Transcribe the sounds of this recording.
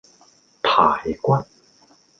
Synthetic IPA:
t̪ʰaː˨˩˦jkwa˦˥t̚

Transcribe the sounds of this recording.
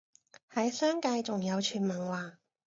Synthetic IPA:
hɐ˨˥jsœː˥ŋkɐ˧jt͡sʊ˨ŋjɐ˨˧wt͡ʃʰyː˨˩nmɐ˨˩nwaː˨˩

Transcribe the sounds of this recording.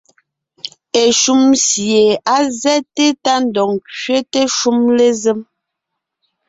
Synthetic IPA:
e˨ʃu˦msje˨a˦zɛ˦te˦ta˦n˨dɔ˨ŋkɥe˦te˦ʃu˦mle˦ze˦m

